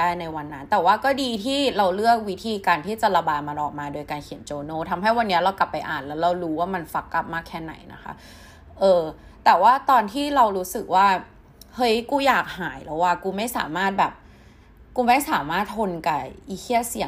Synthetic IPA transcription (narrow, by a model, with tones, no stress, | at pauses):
aː˥˩jna˧jwa˧nːa˦nt̪ɛː˨˩waː˥˩kɔː˥˩diː˧t̪ʰiː˥˩ɾa˧wlɯ˥˩ək̚wi˦˥t̪ʰiː˧kaː˧nt̪ʰiː˥˩t͡ɕa˨˩ɾa˧baː˧t̪ma˧nʔɔː˨˩k̚maː˧doː˧jkaː˧nkʰi˨˩˦nt͡ɕoː˧noː˥˩t̪ʰa˧mɦa˥˩jwa˧nːi˦˥ɐɾa˧wka˨˩pːa˧jʔaː˨˩nlɛː˦˥wɾa˧wɾuː˦˥waː˥˩ma˧nfa˦˥kːla˦˥p̚maː˥˩kʰːɛː˥˩na̰˩˦jna̰˦˥xʰa̰˦˥ | ʔɤː˧ | t̪ɛː˨˩waː˥˩t̪ɔː˧nt̪ʰiː˥˩ɾa˧wɾuː˦˥sɯ˨˩k̚waː˥˩ | hɤ˦˥jkuː˧jaː˨˩k̚haː˩˦jlɛ˦˥waː˧˥˩kuː˧ma˥˩jsa̰ː˨˩˦maː˥˩t̪̚bɛː˨˩p̚ | kuː˧ma˥˩jsaː˩˦maː˥˩t̪̚ʰːo˧nka˨˩ʔi˨˩kʰi˥˩ət̚si˨˩ə